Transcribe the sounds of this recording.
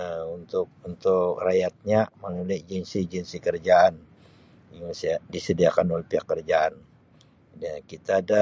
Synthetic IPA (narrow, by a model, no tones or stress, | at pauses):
unt̪ʊk̚unt̪ʊkrajat̪̚ɲamənulɛd͡ʒinsid͡ʒɛnsikərd͡ʒaːn | jaŋsdisədiakanolpiakərd͡ʒaan | dakit̪aːda